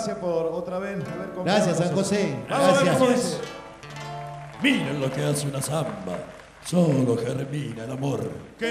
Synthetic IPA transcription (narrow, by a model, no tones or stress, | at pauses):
sjapoɾot̪ɾaβeθaβeɾkoɡɾasjassaŋxoseaɾasjams | miɾenlokeaseunasamba̰ | soŋlokereminaelamoɾk